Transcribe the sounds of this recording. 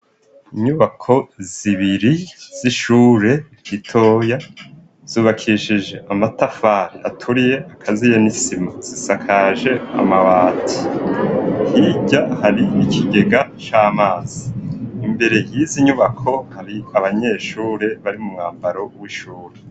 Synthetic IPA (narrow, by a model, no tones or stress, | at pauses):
iɲuβakʰo̞ziβiɾiz̥iʃuːɾe̞ | hitʰo̞ːja | z̥uːβakʰiʃiʒe̞ʔamatafaɾiʔatʰuɾije̞ʔakʰazijanisimaz̥isakʰaʒe̞a̰maβaːtʰi̥ | hiɟahaɾiikʰiɡe̞ɡat͡ʃaːmaːz̥iːmbe̞ɾe̞jiziɲuβakʰo̞haɾiaβaɲe̞ʃuːɾe̞βaɾimumŋaːmbaɾo̞wiʃuːɾe